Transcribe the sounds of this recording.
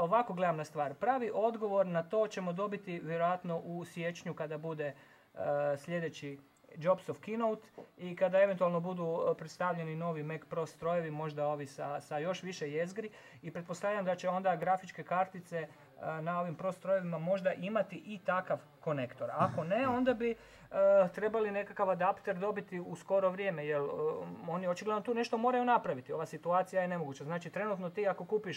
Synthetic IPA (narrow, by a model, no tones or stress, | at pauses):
o̞ʋako̞ɡle̞d̪amnast̪ʋaːɾpɾaːʋiʔo̞d̪ɡo̞ʋo̞ɾnat̪o̞ːt͡ɕe̞mo̞d̪o̞bit̪iʋjeɾojat̪no̞ʔusjet͡ʃɲukad̪abud̪e̞ | sʎʲe̞d̪e̞t͡ɕi | d͡ʒo̞psofkinowt̪ikad̪ae̞ʋent̪ualˠno̞bud̪upɾet̪st̪aʋʎe̞nino̞ːʋimekpɾo̞st̪ɾo̞je̞ʋimo̞ʒd̪ao̞ʋisasajo̞ʃʋiʃejezɡɾi | ipɾe̞t̪̚po̞st̪aʋʎamd̪at͡ɕe̞o̞nd̪aɡɾafit͡ʃke̞kaɾt̪it̪se̞ | nao̞ʋimpɾo̞st̪ɾo̞je̞ʋimamo̞ʒd̪aʔimat̪iʔit̪akaʋ | ko̞ne̞kt̪o̞ɾako̞ne̞o̞nd̪abi | ət̪ɾe̞baline̞kakaʋad̪apt̪e̞ɾd̪o̞bit̪iusko̞ɾo̞ʋɾʲje̞ːme̞jelo̞nio̞t͡ʃiɡled̪not̪uːne̞ʃt̪o̞mo̞ːɾajunapɾaʋit̪io̞ʋasit̪uaːt̪sijaje̞ne̞mo̞ɡuːt͡ɕaznaːt͡ʃit̪ɾe̞nuːt̪no̞t̪iːako̞kuːpiʃ